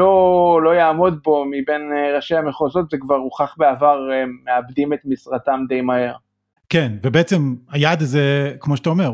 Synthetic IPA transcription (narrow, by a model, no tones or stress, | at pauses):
olo̞jaːmo̞d̪̚bo̞mibe̞nʁaʃejameχozo̞t̪zekvaʁuχaχbeavaʁemeabd̪imet̪misʁatamd̪ejmahe̞ʁ | kenvebeet͡semhajad̪azekmoʃet̪aomeʁ